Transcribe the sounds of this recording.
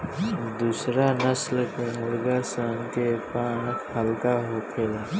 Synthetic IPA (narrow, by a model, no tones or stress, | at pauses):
d̪usɾanəsləkmʊlɡasəŋk̪epãːnkʰɦəlkaɦokʰeːla